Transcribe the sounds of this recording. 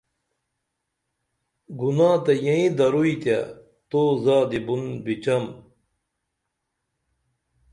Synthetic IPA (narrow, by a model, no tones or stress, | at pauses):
ɡunaːt̪ɐjɐĩd̪ɐɾuit̪ja | t̪oːzaːd̪ibunbit͡ɕɐm